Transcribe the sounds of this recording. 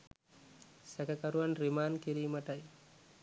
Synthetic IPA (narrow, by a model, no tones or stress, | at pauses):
sɐkɐkɐɾuɐnɾimaːnkiɾiːmɐʈaj